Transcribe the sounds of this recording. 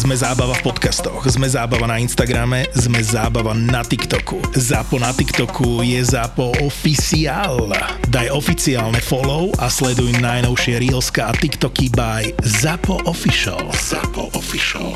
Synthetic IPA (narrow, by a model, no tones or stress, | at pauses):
zmɛzaːbaʋafpɔt̪kast̪ɔɣzmɛzaːbaʋanainst̪aɡɾamɛzmɛzaːbaʋanat̪ikt̪ɔkuzapɔnat̪ikt̪ɔkʰujɛzapɔɔfisiaːlnad̪ajɔfit͡siaːlnɛfɔlɔʊʔaslɛd̪ujimnajnɔʊʃɪɛɾilskaːt̪ikt̪ɔkibajzapɔʔɔfiʃɔ̰lafi